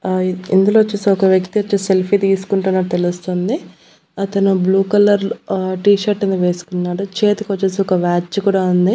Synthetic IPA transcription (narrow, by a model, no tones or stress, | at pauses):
ḭnd̪uloːʋɐt͡ʃːeːsiɔkɐʋjɐkt̪iʋɐt͡ʃːeselpʰit̪iːsu̥kuɳʈunːɐɽt̪elust̪ond̪i | ɐt̪ɐnubluːkɐlɐɾʈiːʃɐɾʈːɐnd̪iʋe̞ːsu̥kunːaːɽut͡ʃe̞ːt̪ikʋɐt͡ʃːeːsiɔkɐʋaːt͡ʃːkuːɽaːund̪i